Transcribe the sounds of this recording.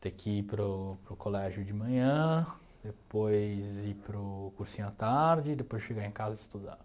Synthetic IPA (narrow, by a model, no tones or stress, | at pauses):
t̪ekɪipɾʊpɾʊkolɛʒʊd͡ʒɪmɐ̃ɲɐ̃ | d̪epojzipɾʊkuɾsĩɲʊat̪aɾd͡ʒɪd̪epojzd͡ʒɪʃeɡaẽkazɐɪst̪ud̪a̰